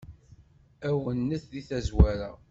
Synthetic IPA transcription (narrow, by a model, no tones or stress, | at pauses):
æwənːəθðiθæzwæɾa